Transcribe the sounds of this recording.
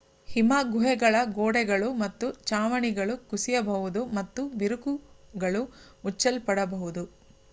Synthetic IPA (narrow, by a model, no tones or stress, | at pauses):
himaːɡʱuɦɛɡɐɭɐɡoːɽɛɡɐɭumɐt̪ːut͡ʃaːʋɐɳiɡɐɭukusijɐbɐɦud̪umɐt̪ːubiɾukuɡɐɭu | ut͡ʃːɐlpɐɽɐbɐɦud̪u